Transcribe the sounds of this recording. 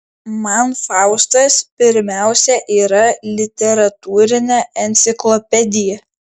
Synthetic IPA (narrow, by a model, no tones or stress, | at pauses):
mɐnfɑˑʊst̪ɐspʲɪɾʲmʲæˑʊsʲɛʔiːɾɐlʲɪt̪ʲɛɾɐt̪uːɾʲɪnʲɛɛnʲt̪sʲɪklˠɔpʲɛd̪ʲɪjɛ